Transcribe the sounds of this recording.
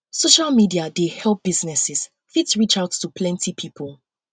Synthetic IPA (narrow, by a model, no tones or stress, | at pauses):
soʃalˠmidiadehɛlˠp̚b̥iznɛsɪz̥ | fitsɹit͡ʃaʊtʰːupʰlɛ̃ntʰipʰipʰəlˠ